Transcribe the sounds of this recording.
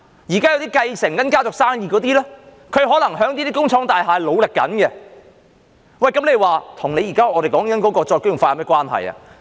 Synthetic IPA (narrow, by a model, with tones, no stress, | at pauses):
jiː˨˩kaː˥jɐ˨˧wt̪i˥kɐ˧jsɪ˨˩ŋkɐ˨˥nkaː˥t͡sʊ˨k̚saː˥ŋjiː˧kɔː˨˧t̪iː˥lɛː˥ | kʰɵ˨˧ɥɦɔː˨˥lɐ˨˩ŋɦœː˨˥ŋt̪iː˥t̪iː˥kʊ˥ŋt͡ʃʰɔː˨˥ŋt̪aː˨jɦaː˨jlo˨˧wlɪ˨kːɐ̰˨˥nɡɛ˧ | wɐ˨˩jkɐ˨˥mnle˨˧jwaː˨˩t̪ʰʊ˨˩ŋne˨˧jiː˨˩kaː˥ɔː˨˧ɾe˨jkɔː˨˥ŋkɐ˨nkɔː˨˥kɔː˧t͡ʃɔː˧jkɵ˥ɥjʊ˨ŋfaː˧a˨mɛː˥kʷwaː˥nhɐ̰˨jɐ̰˨